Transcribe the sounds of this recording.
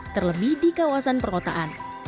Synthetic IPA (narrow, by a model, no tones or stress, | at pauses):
t̪ərləbihdikawasanpərkot̪aʔan